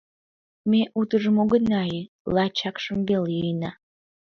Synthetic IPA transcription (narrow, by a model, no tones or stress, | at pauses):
meʔut̪əʒəmoɣənɑjə | lɑt͡ɕɑkʃəmbeljəjnɑ